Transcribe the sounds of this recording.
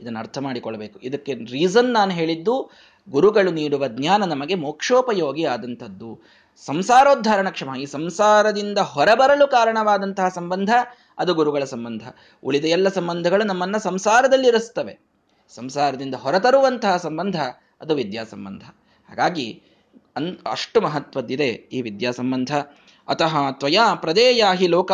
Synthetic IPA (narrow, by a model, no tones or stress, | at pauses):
id̪ɐnːɐɾt̪ʰɐmaːɽikɔɭɐbeːkuid̪ɐkːeɾiːzɐnːaːnuɦeːɭid̪ːu | ɡuɾuɡɐɭuniːɽuʋɐd̪njaːnɐnɐmɐɡe̞moːkʂoːpɐjoːɡiaːd̪ɐnt̪ʰɐd̪ːu | sɐmsaːɾoːd̪ʱːaːɾɐɳɐkʂɐmɐɦɐiːsɐmsaːɾɐd̪ind̪ɐɦɔɾɐbɐɾɐlukaːɾɐɳɐʋaːd̪ɐnt̪ɐɦɐsɐmbɐnd̪ʱɐ | ɐd̪uɡuɾuɡɐɭɐsɐmbɐnd̪ʱɐ | uɭid̪ɐjɛlːɐsɐmbɐnd̪ʱɐɡɐɭunɐmːɐnːɐsɐmsaːɾɐd̪ɐlːiiɾust̪ɐʋe | sɐmsaːɾɐd̪ind̪ɐɦɔɾɐt̪ɐɾuʋɐnt̪ɐɦɐsɐmbɐnd̪ʱɐː | d̪uʋid̪jaːsɐmbɐ̰nd̪ʱɐ | ha̰ːɡaːɡi | ɐnɐ̰ʂʈumɐɦɐt̪ʋɐd̪ːid̪eiːʋid̪jaːsɐmbɐnd̪ʱɐː | t̪ɐɦɐt̪ʋɐjaːpɾɐd̪ɛːjaːɦiloːkɐ